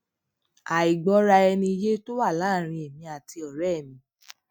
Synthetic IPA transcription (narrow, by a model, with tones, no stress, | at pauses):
a˨i˨ɡ͡bɔ˨˦ɾa˧ɛ˧nĩ˧je˦to˦wa˦˨lãː˦˨ɾ̃ĩ˧ɛ˨mĩ˧a˨ti˧ɔ˨ɾɛ˦˨mĩ˧˦